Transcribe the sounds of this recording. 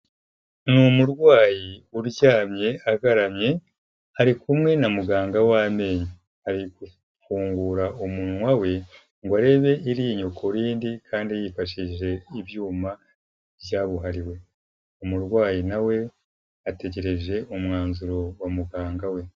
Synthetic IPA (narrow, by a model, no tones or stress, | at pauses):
numuɾɡwaːjiuɾɟaːmɲe̞aɡaɾamɲe̞ | haɾikumŋe̞namuɡaːŋɡawaːme̞ːɲi | haɾiɡu | fuːŋɡuɾaomuːnuwawe̞ | ŋɡwaɾe̞ːβe̞ʔiɾiːɲokʰoɾiːndikʰaːndiajifaʃiʒe̞iβjuːma | βjaːβuɦaɾiwe̞ | umuɾɡwaːjinawe̞ | ate̞ɟe̞ɾe̞ʒe̞ʔumŋaːnzuɾo̞wamuɡaːŋɡawe̞